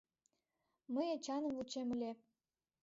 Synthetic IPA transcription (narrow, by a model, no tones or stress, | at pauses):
məjɑt͡ɕɑnə̆mvut͡ɕemə̆lʲe